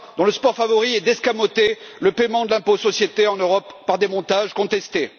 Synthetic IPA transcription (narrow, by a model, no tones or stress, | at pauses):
d̪ɔ̃ləspɔʁfavɔʁiɛd̪ɛskamot̪eləpɛmɑ̃d̪əlɛ̃posɔsjet̪eɑ̃nøʁɔpːaʁd̪emɔ̃t̪aʒkɔ̃t̪ɛst̪e